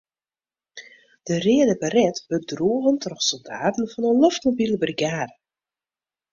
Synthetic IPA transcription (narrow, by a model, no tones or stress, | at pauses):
d̥ərɪədəbərɛtb̥øɡ̚druəɣəntʰrɔxsɔlˠda̰ːtn̩fɔnəlɔftmobiləbriɡaːdə